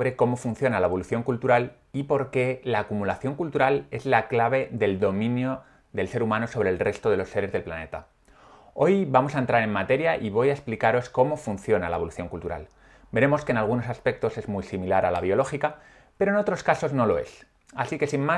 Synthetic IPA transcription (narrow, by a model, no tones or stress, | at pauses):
βɾe̞ko̞mo̞funθjo̞nalaeβ̞o̞luθjo̞ŋkult̪uɾal | ipo̞ɾke̞laːkumulaθjo̞ŋkult̪uɾale̞zlaklaβ̞e̞ðe̞ld̪o̞mĩnjo̞ | ðe̞lse̞ɾumãno̞so̞β̞ɾe̞lre̞st̪o̞ð̞e̞lo̞sːe̞ɾe̞zðe̞lplane̞̰t̪a | o̞jβamo̞saent̪ɾaɾe̞mmat̪e̞ɾjaʔiβ̞o̞jae̞splikaɾo̞sko̞mo̞funθjo̞nala̰e̞βo̞luθjo̞ŋkult̪uɾa̰l | be̞ɾe̞mo̞ske̞nalɣ̞uno̞saspe̞k̚t̪o̞se̞zmujsimilaɾalaβ̞jo̞lo̞xika | pe̞ɾo̞eno̞t̪ɾo̞skaso̞zno̞lo̞e̞̰s | asike̞sinma